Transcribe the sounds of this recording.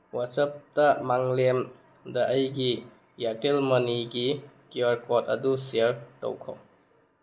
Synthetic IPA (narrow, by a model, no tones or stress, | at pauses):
wasɐp̚tɐmaŋlem | dɐʔːjɡi | jatelmɐniɡikiɐɾkotɐdusiɾto̰wkʰo̰w